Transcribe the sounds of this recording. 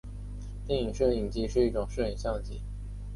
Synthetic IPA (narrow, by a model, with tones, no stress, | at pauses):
t̪jɛ˥˩ŋi˨˩ŋʂɤ˥˩i˨˩ŋt͡ɕi˥ʂɻ̩˥˧i˥˩ʈ͡ʂʊ˨˩ŋʂɤ˥˩i˨˩ŋɕjɑ˥˧ŋt͡ɕi˥˩